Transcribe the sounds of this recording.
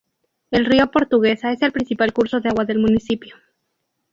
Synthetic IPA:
e̞lriopo̞ɾt̪uɣ̞e̞sae̞se̞lpɾinsipalkuɾso̞ðe̞aɣwaðe̞lmũnisipjo̞

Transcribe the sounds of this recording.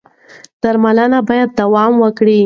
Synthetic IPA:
d̪̥aɾmalənabɑjad̪̚ːawɑmwəkɽi

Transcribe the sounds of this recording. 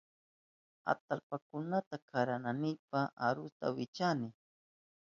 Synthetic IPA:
a̰t̪alpakʊnat̪akʰaɾananɪpaaɾʊst̪a̰wɪt͡ʃanɪ

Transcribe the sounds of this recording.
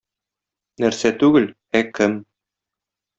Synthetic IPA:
næɾsæt̪ʉɡɘl | ækɘm

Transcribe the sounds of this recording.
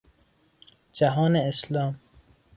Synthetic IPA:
d͡ʒæɦɒːneeslɒːm

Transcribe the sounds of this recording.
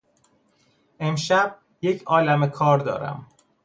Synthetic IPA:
e̞mʃæb̥̚ | je̞cʰɒːlæmekʰɒːɾd̪ɒ̰ːɾæ̰m

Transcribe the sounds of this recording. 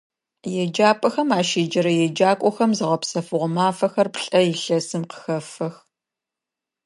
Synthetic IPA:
jɛd͡ʒaːpʼɐxɐmaːʃeːd͡ʒɐɾɐjɛd͡ʒaːkʷʼɔxɐmzɨʁɐpsɐfɨʁʷɔmaːfɐxɐrpɬʼɐjɪɬɐsɨmqə̥xɐfɐx

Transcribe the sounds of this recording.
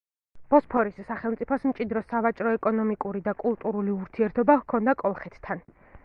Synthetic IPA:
b̥ɔspʰɔɾissaχɛlˠmt̪sʼipʰɔsmt͡ʃʼid̪ɾɔsavat͡ʃʼɾɔɛkʼɔnɔmikʼuɾid̪akʼulˠt̪ʼuɾuliuɾt̪ʰiɛɾt̪ʰɔbakʰɔnd̪akʼɔlˠχɛt̪ʰt̪ʰːan

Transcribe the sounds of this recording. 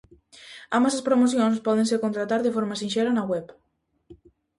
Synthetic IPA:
ambasaspɾomoθjõŋspɔð̞ẽnsekont̪ɾat̪aɾðefoɾmɐsinʃɛɾanaɣwɛp

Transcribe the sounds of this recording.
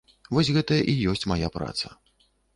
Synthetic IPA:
vɔs̬ʲɣɛt̪ɐʔijɔsʲt͡sʲmajapɾa̰t̪sɐ

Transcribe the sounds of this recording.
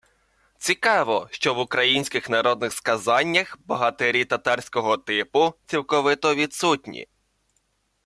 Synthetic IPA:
t͡sʲikɑʋɔʃt͡ʃɔʋʊkɾɐjinʲsʲkɪxnɐɾɔd̪nɪxskɐzɑnʲːɐxbɐɦɐt̪eɾʲit̪ɐt̪ɑrsʲkɔɦɔt̪ɪpʊt͡sʲiwkɔʋɪt̪ɔʋʲid̪sutʲnʲḭ

